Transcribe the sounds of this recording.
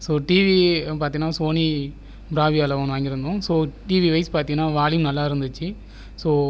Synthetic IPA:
soːʈiːʋipaːɾt̪ĩŋɡɐnːaːsoːni | bɾaːʋiaːlɐʋɐːnʋaːŋɡɪɾɯnd̪õsoːʈiːʋiʋɐɪspaːɾt̪iŋɡɐnːaːʋaːlɪjɯmnɐlːaːɪɾɯnd̪ɯt͡ʃːɯ | soː

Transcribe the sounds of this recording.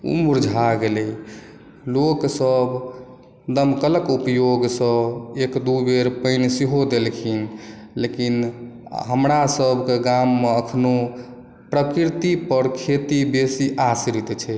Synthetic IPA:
ṵmuɾd͡ʒʱaɡelɛ | loksəb | d̪əmkələkupjoɡsə̃ekd̪ubeɾpəɪnsiɦod̪elkʰin | lekinɦəmɾasəbʱkeɡamːeəkʰno | pɾəkiɾt̪ipəɾkʰet̪ibesiʔasiɾit̪t͡ʃʰɛ

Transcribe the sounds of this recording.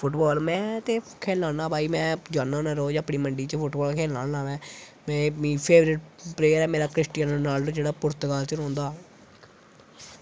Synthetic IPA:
pʰʊʈbɔːlmɛ̃ːt̪eː | kʰeːlãːnãːbʱaːiːmɛ̃ːd͡ʒaːnanaɾoːd͡ʒəpɳiːməɳɖiːt͡ʃəpʰʊʈbɔːlkʰeːlaːnãːʋɛ̃ːmɛ̃ːmĩːpʰeːʋɾɪʈ̚pɾeːəɾɛːmeːɾaːkɾɪsʈiːjənnaːlːd͡ʒeːɽaːpʊɾt̪kaːlt͡ʃəɾõːnd̪aː

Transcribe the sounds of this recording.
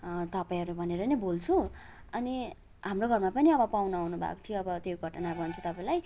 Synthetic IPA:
t̪ʌpaĩɦʌɾubʱʌneɾʌnebolt͡sʰu | ʌni | ɦamroɡʱʌrmapʌniʌbʌpawnaawnubʱa̰kt̪ʰioʌbʌt̪joɡʱʌʈnanaɡʌnt͡sʰut̪ʌpaĩlaj

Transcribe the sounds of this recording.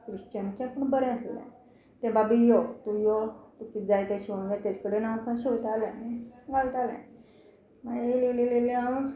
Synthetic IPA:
kɾiɕt͡ɕant͡ɕãpəɳbəɾɛ̃slã̰ | t̪ẽbabijot̪ujot̪ukit̪̚d͡zajt̪aɕiʋə̃ɳɡat̪jat͡skəɽenãkãɕot̪alãĩɡʱalt̪alɛ̰̃ | maeleleleleaɽun

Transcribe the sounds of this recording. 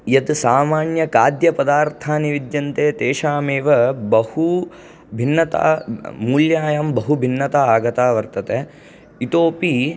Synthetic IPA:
jɐd̪saːmaːɳjɐkaːd̪jɐpɐd̪aːɾt̪ʰaːniʋid̪jɐnt̪eːt̪eːʃaːmeːʋɐbɐhu | bʱinːɐt̪a̰ːmuːljaːjɐmbɐɦubʱinːɐt̪aaːɡɐt̪aːʋɐɾt̪ɐt̪e | it̪oːpi

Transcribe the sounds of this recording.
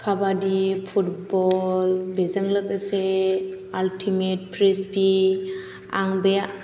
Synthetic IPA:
kʰabadipʰutbɔlbezəŋlək̚əse | altʰimet̚pʰɾesbi | a̰ŋbe

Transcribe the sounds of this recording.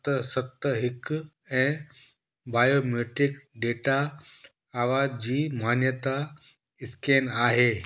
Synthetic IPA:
t̪əsət̪ːəɦikː | ɛ̃ | bajomeʈɾikɖeʈaː | ʋad͡ʑiːmanjət̪a | iskenaɦe

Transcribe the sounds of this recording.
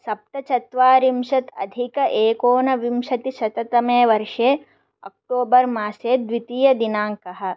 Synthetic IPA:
sɐp̚t̪ɐt͡ʃɐt̪ʋaːɾimʃɐt̪ɐ̰d̪ʱikɐʔeːkoːnɐʋimʃɐt̪iʃɐt̪ɐt̪ɐmeːʋɐɾʂeː | ɐk̚ʈoːbɐɾmaːseːd̪ʋit̪ijɐd̪inaːŋkɐɦɐ̆

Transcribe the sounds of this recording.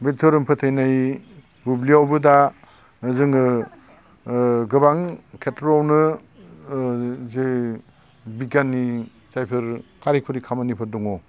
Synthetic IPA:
betʰoɾɯmpʰɯtʰɯjnaj | bubliawbɯda | zɯŋɯ | ɡɯbaŋkʰetɾɔwnɯ | ze | bikanːi | t͡ʃajpʰɯɾkaɾikʰuɾikʰamanipʰɯɾdɔŋɔ

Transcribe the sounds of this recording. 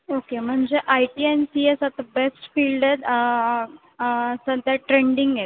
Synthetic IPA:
okem̤əɳd͡zeʔajʈiːensiesat̪abesʈfiːlɖed | səd̪aʈɾeɳɖiŋɡe

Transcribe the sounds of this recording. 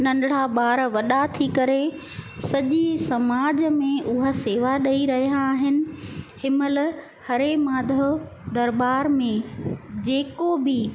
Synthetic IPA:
nɐ̃nɖɽ̤aɓaːɾʋɐɗat̪ʰikɐɾe | sɐʄisɐmaːd͡ʑmẽʔʊɦaseːʋaɗɐiɾɐɦijaːɦɪnɪ̆hɪməl | hɐɾemãːd̪ʱod̪ɐɾbaːɾmẽd͡ʑeːkobɪ

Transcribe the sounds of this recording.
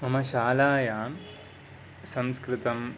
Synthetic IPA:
ɐmɐʃaːlaːjaːm | sɐmskɾɪt̪ɐm

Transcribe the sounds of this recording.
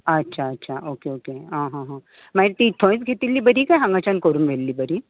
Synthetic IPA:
ɐtːɕʰaɐtːɕʰaʔokeoːkeɦãɦãɦə̃ | majɾt̪iʈ̪ʰõĩt͡sɡʱet̪ilːibəɾikajɦɐ̃ŋɡat͡ɕankoɾunmelːibəɾi

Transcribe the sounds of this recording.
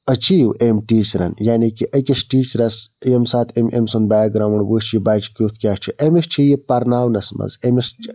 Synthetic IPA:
ɐt͡ʃiːwemʈiːt͡ʃɾɐ̰njaːnikiʔɐkʲɐsʈiːt͡ʃɾɐsjemsaːt̪ʰemḛmsonbaːk̚ɡɾaːʋɐɳwuːst͡ʃʰibaːt͡ʃkʲut̪ʰkʲaːt͡ʃʰiʔemist͡ʃʰijipɐɾnaːwnɐsmɐ̰zemist͡ʃ

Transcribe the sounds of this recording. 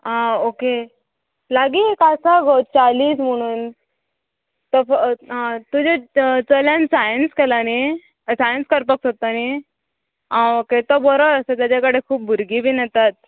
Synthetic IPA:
ãoke | laɡiekasaɡɔwt͡saliːsm̤əɽ̃uːn | t̪əɦãt̪ud͡ʑʱet͡səljãnsajənskɛlane | sajənskəɾpəksot̪ane | ãoket̪ɔbəɾɔəsət̪jat͡ɕakəɽekʰuːp̚bʱuɾɡiːbiːnat̪at̪̚

